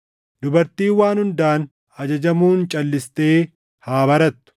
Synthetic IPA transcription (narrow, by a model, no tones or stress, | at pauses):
d̪ʊbɐɾt̪iːwaːnhʊnd̪aːn | ɐd͡ʒɐd͡ʒɐmuːnt͡ʃʼɐlːɪst̪e̞ː | haːbɐɾɐt̪ːʊ̥